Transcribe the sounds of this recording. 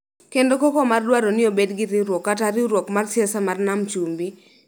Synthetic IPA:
kendokɔkɔmardwaɾɔnɪobedɡɪɾɪɾwɔkːataɾɪɾwɔkmarsɪɛsamarnamt͡ʃumbi

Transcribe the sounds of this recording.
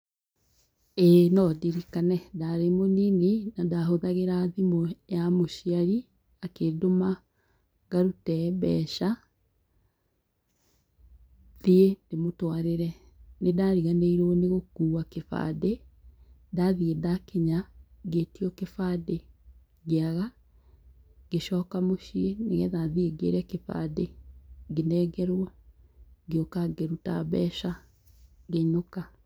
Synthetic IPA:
enɔdiɾikanɛdaɾemoninenadaɦoðaɣeɾaðimojamoʃiaɾi | akedoma | ɡaɾutɛbɛ̰ʃa | ðiendemotwaɾeɾɛ | nedaɾiɣaneiɾɔneɣokuːwakefa̰de | daðiedakeɲaɡetiɔkefade | ɣeaɣa | ɡeʃɔːkamoʃieneɣɛðaðieɡḛɾɛkefa̰deɡenɛːɡɛɾwa | ɡeokaɡeɾuta̰βɛːʃa | ɡeɲoka

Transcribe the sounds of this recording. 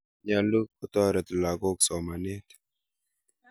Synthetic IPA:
jalːukʊt̪aɾət̪laɡoksomanet̪ʰ

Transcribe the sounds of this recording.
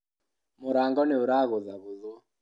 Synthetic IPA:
moɾaːŋɡɔneoɾaːɣoðaβoðu

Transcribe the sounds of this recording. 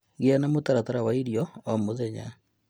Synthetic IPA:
ɡɪanamotaɾat̪aɾawaiɾjɔːmoðɛɲa̰

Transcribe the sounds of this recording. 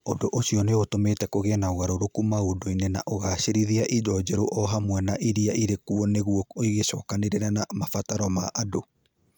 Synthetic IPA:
odoʔoɕiɔneotomeːtɛkoɣɛnaoɣaɾoɾokumaodoinenaʔoɣaʃeɾiðiaʔid͡ʒɔd͡ʒɛɾoʔɔɦamwɛnaʔiɾiaʔiɾekuɔneɣuɔiɣeʃɔːkaneɾeɾanamafataɾɔmaʔado

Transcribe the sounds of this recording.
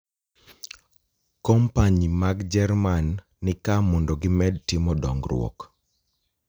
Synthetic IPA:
kɔmpaɲimaɡd͡ʒɛrmanː | ɪkamɔndɔɡɪmɛd̚tɪmɔdɔ̰ŋɡrw̰ɔ̰k

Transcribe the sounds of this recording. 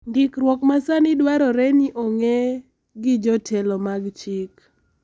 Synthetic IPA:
ndɪkɾwɔkmasanɪdwaɾɔɾeɲiʔoŋe | ɡɪd͡ʒɔtʰɛlɔmaɡt͡ʃɪk

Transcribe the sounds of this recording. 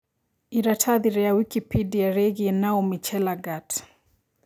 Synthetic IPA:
iɾatʰaðiɾɛawikipidiaɾɛɣiɛnaɔmit͡ʃɛlaɡat

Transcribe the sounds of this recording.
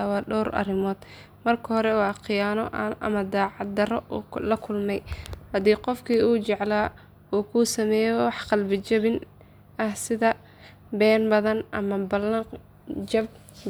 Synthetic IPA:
awɑːɗɔːɾʔɐ̰ɾɪmɔːd̪̥ | mɐrkʰɐhɔɾɛwɑːqɪjaːnɔʔʔɐ̰mɐd̪aːʕɑd̪ɐɾɔlɐkʰʊlmɛjhɐd̪iːqɔfkʰiːuːt͡ʃɛʕlaː | uːkʰuːsɐmɛːjɔwɑħqɑlbɪt͡ʃɐβɪn | ʔɐhsɪðɐ | bɛːnbɐðɐnʔɐmɐbɐlɐ | d͡ʒɐb̚

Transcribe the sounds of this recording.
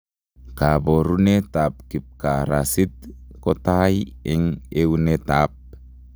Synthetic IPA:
kaboɾunet̪ap̚kip̚kaɾa̰sit̪̚kotajiŋeunet̪ap̚

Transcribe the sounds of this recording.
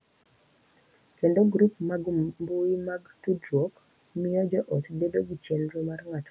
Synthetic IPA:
kendoɡɾupmaɡmbuimaɡtudɾok | mijɔd͡ʒɔʔɔtbedoɡit͡ʃjenɾumarŋat

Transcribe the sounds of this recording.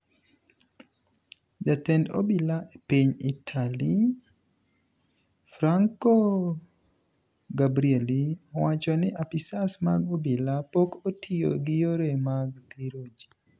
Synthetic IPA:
d͡ʒatɛndɔ̰bilaʔepiɲitʰali | fɾaŋko | ɡabɾieliɔwat͡ʃɔnɪʔapisasmaɡobilapokotʰio̰ɡɪjoɾemaɡt̪iɾod͡ʒi̥

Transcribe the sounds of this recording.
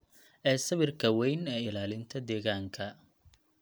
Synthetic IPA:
ʔɛːsɐβɪrkʰɐwɛjnɛːɪlaːlɪnt̪ʰɐd̪ɛːɣaːŋkʰɐ

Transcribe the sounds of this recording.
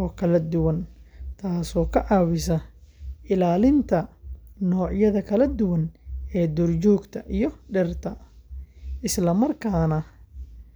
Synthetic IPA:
ɔːkʰɐlɐd̪ʊwɐnt̪ʰaːsɔːkʰɐʕɑːwɪsɐʔɪlaːlɪnt̪ʰɐnɔːʕjɐðɐkʰɐlɐd̪ʊwɐnɛːd̪ʊrt͡ʃɔːɡt̪ʰɐʔijɔɖɛrt̪ʰɐ | ʔɪslɐmɐrkʰaːnɐ

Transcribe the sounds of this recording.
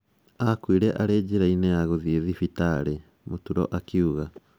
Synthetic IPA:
akwiɾɛʔaɾeːɟiɾainejaɣoðieðifitaɾe | motuɾɔ̰ʔakiuɣa

